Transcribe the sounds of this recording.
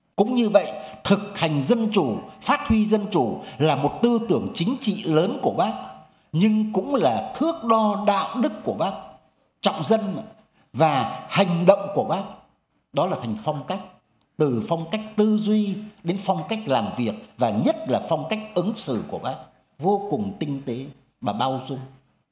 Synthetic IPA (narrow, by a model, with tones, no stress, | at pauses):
kʊ̰˧˥ŋ͡mɲɨ˧və̰˧˨jt̪ʰɨ˨˩k̚ha˨˩jŋ̟zə˧nt͡ɕu˧˩faː˦˥t̚hwi˧zə˧nt͡ɕu˧˩laː˨˩mo˨˩t̚t̪ɨ˧t̪ɨ˧˩əŋt͡ɕï˨˦ŋ̟t͡ɕḭ˧˨ləː˨˦nku˧˩əɓaː˦˥k̚ | ɲɨ˧ŋkʊ̰˧˥ŋ͡mlaː˨˩t̪ʰɨ˦˥ək̚ɗɔ˧ɗa̰ː˧˨wɗɨ˦˥kːu˧˩əɓaː˦˥k̚ | t͡ɕɔ̰˧˨wŋ͡mzə˧n˨ | vaː˨˩ha˨˩jŋ̟ɗə̰˧˨wŋ͡mku˧˩əɓaː˦˥k̚ | ɗɔ˨˦laː˨˩t̪ʰa˨˩ŋ̟fa˧wŋ͡mka˦˥jk̟̚ | t̪ɨ˨˩fa˧wŋ͡mka˦˥jk̚t̪ɨ˧zwi˧ɗe˨˦nfwŋ͡mka˦˥jk̟̚laː˨˩mvi˨˩ək̚vaː˨˩ɲə˦˥t̚laː˨˩fɔ˧wŋ͡mka˦˥jk̟̚ʔɨ˨˦ŋsɨ̰˧˩ku˧˩əɓaː˦˥k̚ | vo˧kʊ˨˩ŋ͡mt̪ï˧ŋ̟t̪e˨˦ | ɓaː˨˩ɓaː˧wzʊ˧ŋ͡m